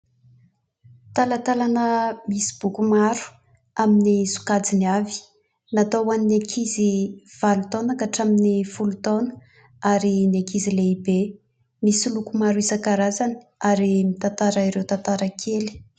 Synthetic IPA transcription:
t̪alat̪alanəmisi̥b̥ukumaɾu̥ | aminisu̥kad͡ziniavi̥ | nat̪owaninekʰiziv̥alut̪onakaʈ͡ʂaminifulut̪onə̥ | aɾinekizileibe | misilukumaɾuisakaɾazani̥ | aɾimit̪ant̪aɾaiɾewt̪ant̪aɾakʰeli̥

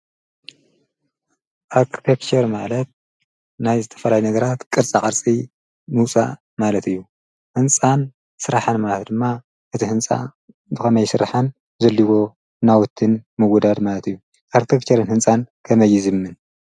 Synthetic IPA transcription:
ʔaɾkʰi̥t̪ʰekt͡ʃɐɾmalɐt̪̚ | najzɨt̪ʰɐ̥fɐlajnɐɡɐɾat̪kʼɨɾt͡sʼakʼɐɾt͡sʼi | mɨwsʼa̰ | malɐt̪ɨjːu | hɨnt͡sʼan | sɨɾaħanmalɐt̪d̪ɨmːa | ʔɨt̪ʰihɨnt͡sʼa̰ | bɨxɐmɐjsɨɾaħan | zɐlːiwo̞ | nawɔt̪ʰːɨnmɨwɔd̪ad̪malɐt̪ɨjːu | ʔaɾkt̪ʰekt͡ʃʰɐɾɨnhɨnt͡sʼankʰɐmɐjːizɨmːɨn

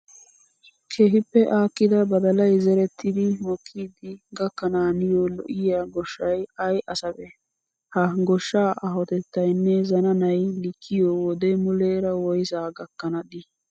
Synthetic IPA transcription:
kʰeːɦɪpːɛʔaːkːɪd̪ɐbɐd̪ɐlɐjzɛɾɛt̪ʰːɪd̪ɪmɔkʰːiːd̪ɪɡɐkːɐnaːnɪjolɔ̰ʔɪjaɡɔʃːɐjɐjʔɐsɐbɛ | hɐɡɔʃːaːʔɐɦɔt̪ɛt̪ːɐjnːɛzɐnɐnɐjlɪkʰːɪjɔwɔd̪ɛmʊleːɾɐwɔjsaːɡɐkːɐnɐd̪ɪ

